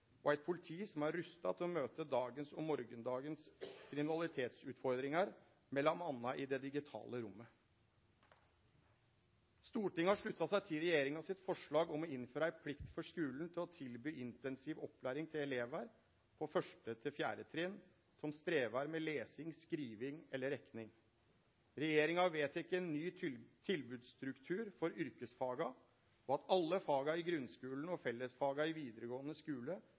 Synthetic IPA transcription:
ɔæɪt̪̚pʰʊlɪt̪ʰiːsɔmæɾɾʉst̪ɑ̰t̪ʰɪlɔmøːt̪əd̪ɑːɡənsɔmɔɾɡənd̪ɑːɡənskʰɾɪmɪnɑlɪt̪ʰeːt̪sʉːt̪fɔɾd̪ɾɪŋɑɾ | mɛlːɔmɑnːɑʔɪd̪ɛd̪ɪɡɪt̪ʰɑ̰ːləɾʊmːə | st̪uːʈɪŋːəhɑʂɭʉt̪ːɑsæɪt̪ʰɪlɾɛjeːɾɪŋɑsɪt̪fɔʂɭɑːɡɔmɔɪnːføːɾɑæɪpʰlɪkt̪fɔʂkʉːln̩t̪ʰɪlɔt̪ʰɪlbyːʔɪnt̪ɛnsiʋɔpːlæːɾɪŋt̪ʰɪlɛleːʋæɾ | pʰɔfœʂʈət̪ʰɪlfjæ̰ːɾət̪ʰɾɛn | sɔmst̪ɾeːʋɑɾmɛleːsɪŋskɾiːʋɪŋɛlːəɾɛknɪŋ | ɾɛjeːɾɪŋɑʋeːt̪ɪkːəɛnːyːt̪ʰɪlbʉːd̪st̪ɾʉkt̪ʰʉːɾfɔɾʏɾkəsfɑːɡɑ | ɔɑt̪ʰɑlːəfɑːɡɑɪɡɾʉnskʉːln̩ɔfɛlːəsfɑːɡɑɪʋiːd̪əɾəɡoːənəskʉːlə

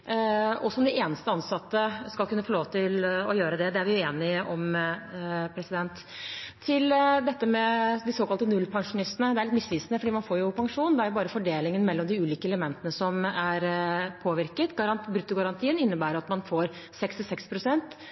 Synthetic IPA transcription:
ɔsɔmd̪ɪʔeːnəst̪əɑnsɑt̪ːəskɑlkʉnːəfɔloːʋt̪ɪlɔjøːɾəd̪ɛd̪ɛæɾʋɪjʊeːnɪʔɔm | pʰɾɛsɪd̪ɛnt̪ʰː | ɪld̪ɛt̪ːəmɛd̪ɪsoːkɑlt̪ənʉlːpʰɑŋʂʊnɪst̪ənəd̪ɛæɾɭɪt̪mɪsliːsnəfɔɖiːmɑnfoːɾjʊpʰɑŋʂuːnnd̪ɛæɾjʊbɑːɾəfɔɖeːlɪŋənmɛlːɔmd̪ɪʉːliːkəɛləmɛnt̪ənəsɔmæɾpʰoːʋɪɾkət̪ɡɑɾɑnbɾʉt̪ːʊɡɑɾɑnt̪ʰiːənɪnːəbæːɾjʊɑt̪mɑnfoːɾ | sɛkst̪ɪsɛkspʰɾʊsɛnt̪

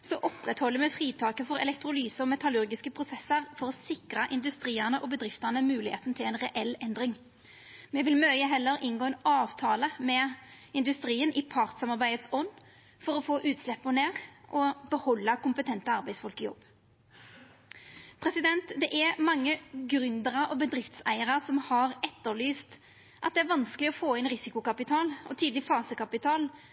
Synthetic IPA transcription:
sɔʔɔpʁɛt̪hɔlːəmɛfʁiːt̪ʰɑːkəfɔʁɛ̰lɛkt̪ʁʊlyːsəɔmɛt̪ɑlʉʁɡɪskəpʰʁʊsɛsəʁfɔʁɔsɪkʁɑʔɪnd̪ʉst̪ʁiːəʁnəʔɔbəd̪ʁɪft̪əʁnəmʉːlɪhḛːt̪nt̪ʰɪlɛɪnʁɛʔɛlɛnd̪ʁɪŋ | mɛʋɪlmœʏəɦɛlːəɾɪnɡoːɛːnɑːʋt̪ʰɑːləmɛɪnd̪ʉst̪ʁiːənʔɪpʰɑʁt̪sɑmɑʁbæɪət̪sɔnː | fɔɾɔfoːʔʉːt̪slɛpːɔneːʁʔɔbəhɔlːəkʊmpət̪ʰɛnt̪əɑɾbæɪsfɔlkəjɔ̰bː | pʰɾɛsɪd̪ɛnt̪d̪ɛʔæmɑŋːəɡɾʉnd̪əʁəɔbəd̪ɾɪft̪sæ̰ɪəʁəsɔmhɑɾɛt̪ːəlyːst̪ | ʔɑt̪̚d̪ɛæɾʋɑnskəlɪɔfoːɪnɾɪsɪkʊkɑpɪt̪ʰɑːlɔ̰t̪ʰiːd̪lɪfɑːsəkɑpɪt̪ʰɑːl

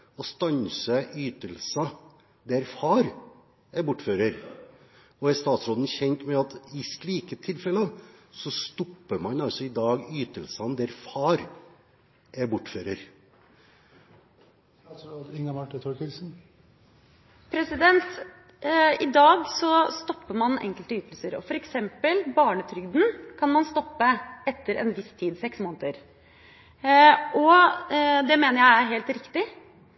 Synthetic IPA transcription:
ɔst̪ɑnsəʔyːt̪əlsɑ | d̪ɛɾfɑːɾ | ɛɾbʊʈːføːɾəɾ | ɔæɾst̪ɑːt̪sɾoːd̪n̩çɛnt̪mɛɑt̪ɪsliːkət̪ʰɪlfɛlə | sɔst̪ɔpːəmɑnɑlsɔɪd̪ɑːɡyːt̪əlsɑnd̪æɾfɑːɾ | ʔɛɾbʊʈːføːɾəɾ | ɪŋɑmɑʈːət̪ʰɔkəsn̩ | pʰɾɛsɪd̪ɛnt̪ | ɪd̪ɑːɡsɔst̪ɔpːəmɑnɛ̰ŋkəlt̪əyːt̪əlsəɾɔ̰fɔɾɛksɛmpəlbɑːɳət̪ʰɾʏɡd̪n̩kʰɑnmɑnst̪ɔpːəɛt̪ːəɾʔɛ̰nʋɪst̪ʰiːd̪sɛksmoːnət̪əɾ | ʔɔ | d̪ɛmeːnəɾjæɪæɾɦeːlt̪ɾɪkt̪ɪ

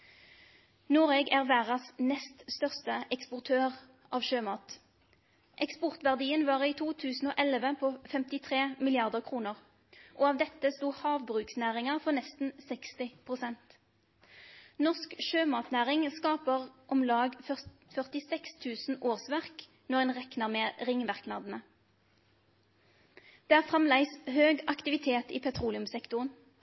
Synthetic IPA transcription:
noːʁeːɡæːʁʋæːʁɑsnɛst̪st̪œʁst̪əʔɛkspʊʁt̪ʰøːʁ | ʔɑːʋʃøːmɑːt̪ | ʔɛkspɔʁt̪ʋæʁd̪iːənʋɑːʁiːt̪ʰuːt̪ʰʉːsn̩oːʔɛlʋəpʰoːfɛmt̪ɪt̪ʰʁeːmɪlɪɑʁd̪əʁkʰʁuːnəʁ | ʔoːɑːʋd̪ɛt̪ːəst̪uːhɑːʋbʁʉːksnæːʁɪŋɑfɔʁnɛst̪n̩sɛkst̪ɪpʰʁʊsɛnt̪ | nɔskʃøːmɑːt̪næːʁɪŋskɑːpəʁʔɔmlɑːɡfœfœʁt̪ɪsɛkst̪ʰʉːsn̩oːʁsʋæʁk | nɔʁeːnʁɛknəʁmeʁɪŋmɑʁknɑːd̪n̩ə | d̪̥eːæːʁfʁɑmlæɪshøːɡɑkt̪ɪʋɪt̪ʰeːt̪ḭːpʰɛt̪ʰʁuːlɪʉmsɛkt̪ʊʁən

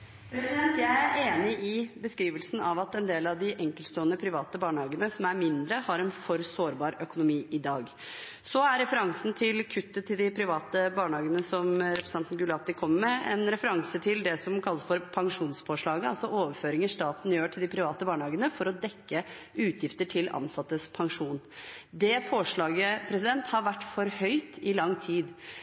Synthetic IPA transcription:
pʰɾɛsɪd̪ɛnt̪jæɪæɾeːnɪʔɪbəskɾiːʋəlsn̩ɑ̰ʋɑt̪ɛnd̪eːlɑʋd̪ɪʔɛŋkəlt̪st̪oːənəpʰɾɪʋɑːt̪əbɑːɳəhɑːɡənəsɔmæɾmɪnd̪ɾəhɑɾɛnfɔɾsoːɾbɑːɾœkʊnʊmiːʔɪd̪ɑːɡ | sɔæɾɾɛfəɾɑŋsn̩t̪ʰɪlkʰʉt̪ːət̪ʰɪld̪ɪpʰɾɪʋɑːt̪əbɑːɳəhɑːɡənəsɔmɾɛpʰɾəsɑnt̪nɡʉlɑt̪ɪkʰɔmːəmɛɛnɾɛfəɾɑŋsət̪ʰɪld̪ɛsɔmkʰɑlːəsfɔɾpʰɑŋʂuːnspʰoːʂɭɑːɡəɑlsɔʔoːʋəɾføːɾɪŋəʂt̪ɑːt̪n̩jøːʈʰɪld̪ɪpʰɾɪʋɑːt̪əbɑːɳəhɑːɡənəfɔɾɔd̪ɛkːə | ʉːt̪ʰjɪft̪əʈʰɪlɑ̰nsɑt̪ːəspʰɑŋʂuːn | d̪ɛpʰoːʂɭɑːɡəpʰɾɛsɪd̪ɛnt̪hɑɾʋæʈːfɔɾhœʏt̪ɪlɑŋːt̪ʰiːd̪

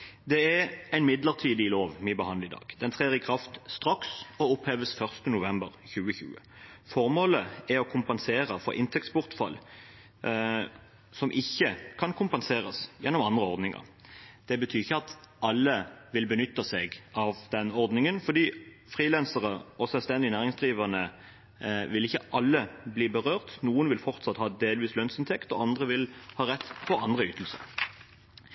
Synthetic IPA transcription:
d̪ɛæɾæɪnmɪd̪ləʁt̪ʰiːd̪ɪloːʋmɪbəhɑnd̪ɪd̪ɑ̰ːɡ̥d̪̥ɛnt̪ʰʁeːʁɪkʰʁɑft̪st̪ʁɑksɔʊpheːʋəsfœʁst̪ənʊʋɛmbəʁçʉːəçʉ̰ːə̰ | fɔʁmoːləɛɾɔkʰʊmpɛnseːʁəfɔ̰ʔɪnt̪ʰɛk̚t̪spʊʁt̪fɑ̰l | sɔmʔɪçːəkʰɑnkʰʊmpɛnseːʁəsjɛnːɔmɑnd̪ʁəɔʁd̪nɪŋɑ̰ʁd̪̥ɛbət̪ʰyːɪçːəɑt̪ɑlːəʋɪlbənʏt̪ːɑsɛɡɑʋd̪̥ɛnɔʁd̪nɪŋənfɔʁd̪iː | fʁiːlɛnsəʁəɔsɛlst̪ɛnd̪ɪnæːʁɪŋsd̪ʁiːʋəʁnə | ʋɪlɪçːəʔɑlːəbliːbəʁøːʁt̪nuːənʋɪlfɔʁt̪sɑt̪hɑːd̪eːlʋiːslœnsɪnt̪ʰɛkt̪ɔ̰ɑnd̪ʁəʋɪlhɑːʁɛt̪ːfɔɑnd̪ʁəyːt̪əl̩sə̰ʁ

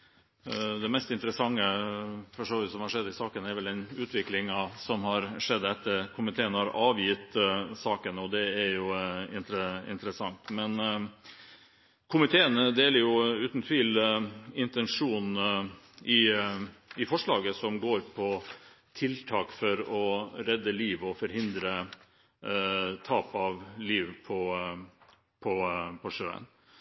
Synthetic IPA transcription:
d̪ɛmɛst̪ɪnt̪əɾəsɑŋːəfɔʂoːʋəʋɪt̪sɔmhɑɾʂɛd̪ːɪsɑːkənɛɾʋɛld̪ɛnʉːt̪ʰʋɪklɪŋɑsɔmhɑɾʂɛd̪ːɛt̪ːəɾkʰʊmɪt̪ʰeːənhɑɾɑːʋjɪt̪sɑːkənɔd̪ɛæɾjʊɪ̰nt̪ɾəɪ̰nt̪əɾəsɑŋt̪mɛn | kʰʊmɪt̪ʰeːənəd̪eːləɾjʊʉːt̪n̩t̪ʰʋiːlɪnt̪ɛnʂuːn | ʔɪ | ɪfɔʂɭɑːɡəsɔmɡoːɾpʰɔ | t̪ʰɪlt̪ʰɑːkfɔɾɔɾɛd̪ːəliːʋɔfɔɾɦɪnd̪ɾə | t̪ʰɑːpɑʋliːʋpʰɔ | pʰɔpʰɔʂøːə̰n

